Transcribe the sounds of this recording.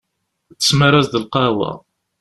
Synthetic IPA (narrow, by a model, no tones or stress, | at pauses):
θə̥sməɾæzd̪əlqɑwæ̰